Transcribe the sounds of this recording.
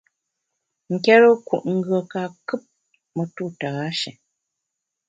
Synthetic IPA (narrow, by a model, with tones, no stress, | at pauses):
ŋ̩˨kɛ˦ɾə˦kṵ˨ʔŋ̩˦˨ɡɰə˨ka˨kɨ˦p̚ | mə˨tu˦˨ta˨ɣa˨˦ʃɛ̰˨